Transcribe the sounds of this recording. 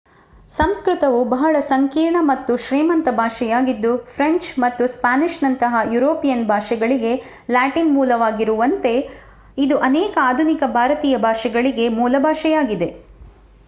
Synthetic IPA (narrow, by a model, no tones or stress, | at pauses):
sɐmskɾut̪ɐʋubɐɦɐɭɐsɐŋkiːɾɳɐmɐt̪ːuʃɾiːmɐnt̪ɐbʱaːʂɛjaːɡid̪ːupʰɾeɲt͡ʃmɐt̪ːuspaːniʃnɐnt̪ɐɦɐjuɾoːpijɐnbʱaːʃɛɡɐɭiɡe̞ | laːʈinmuːlɐʋaːɡiɾuʋɐnt̪e̞ | id̪uʔɐnɛːkɐaːd̪ʱunikɐbʱaːɾɐt̪iːjɐbʱaːʂɛɡɐɭiɡe̞muːlɐbʱaːʂɛjaːɡid̪e̞